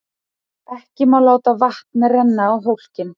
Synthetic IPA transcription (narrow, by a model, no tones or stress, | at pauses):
ɛhcɪmawlaːwt̪avaht̪narɛnːaːwɦowl̥cɪn